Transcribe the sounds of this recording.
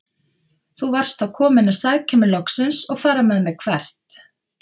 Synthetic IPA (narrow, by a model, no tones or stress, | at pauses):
θuvar̥st̪awkʰɔːmɪnasaɣcʰamɪlɔksɪnsɔɣfaːɾamɛðmɛðkʰvɛr̥t̪